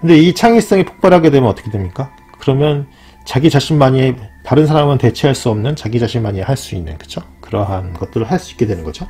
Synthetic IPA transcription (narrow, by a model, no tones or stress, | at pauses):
kɯnde̞it͡ɕʰaŋis͈ʌŋipʰo̥k̚p͈aɾɦaɡe̞dwe̞mjʌnʌt͈ʌkʰedwemɲik͈a | kɯɾʌmjʌn | t͡ɕaɡit͡ɕaɕʰinmaɲietaɾɯns̬ʰaɾamɯnte̞t͡ɕʰeɦaɭs͈uʌmnɯnt͡ɕaɡid͡ʑaɕʰinmaɲieɦaɭs͈uinːɯ̰nkɯ̥d͡ʑokɯɾʌɦanɡʌt̚t͈ɯɾoɭhaɭs͈ui̥k͈e̞dwe̞nɯnɡʌd͡ʑo